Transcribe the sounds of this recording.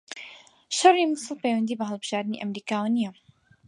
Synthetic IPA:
ʃɐrːimɨsɨlˠpejwɐnd̪iːbɐɦɐlˠbɨʒ̥aːɾd̪ɨnḭʔɐmɾiːkaːwnijɐ

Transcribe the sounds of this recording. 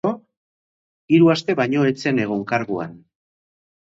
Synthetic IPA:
o | iɾuast̪e̞βajɲo̞et͡se̞ne̞ɣ̞oŋkaɾɣua̰n

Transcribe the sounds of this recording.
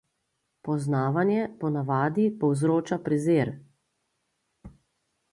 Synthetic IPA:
pɔznaːʋanjɛpɔnaʋaːd̪ipɔwzɾoːt͡ʃapɾɛzeːɾ

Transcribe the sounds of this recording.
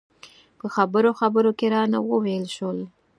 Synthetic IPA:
pəxabəɾoxabəɾokeɾɑna̰wəwejlʃəl

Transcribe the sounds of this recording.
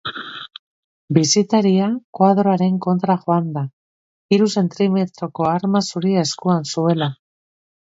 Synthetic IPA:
bisit̪aɾiakwað̞ɾoaɾe̞ŋko̞nt̪ɾaxo̞and̪a | iɾuse̞nt̪ɾime̞t̪ɾo̞ko̞aɾmasuɾieskuansue̞la

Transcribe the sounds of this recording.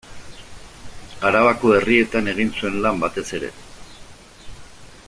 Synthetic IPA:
aɾaβakoe̞rie̞t̪ane̞ɣ̞insue̞nlambat̪e̞se̞ɾe̞̰

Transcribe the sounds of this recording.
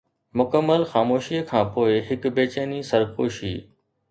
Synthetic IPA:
mʊkəmːəlxaːmoːʃiːəkʰãːpoːɪɦɪkbeːt͡ʃeːnisɐɾkoːʃḭː

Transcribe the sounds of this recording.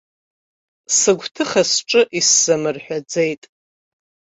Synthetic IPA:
sɨɡʷʰtʰɨχasʈ͡ʂʼɨʔisːɨmɨrħʷᶣad͡zejtʼ

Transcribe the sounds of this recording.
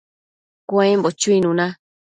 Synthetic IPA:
kʷaẽmbot͡ʃuinũnã

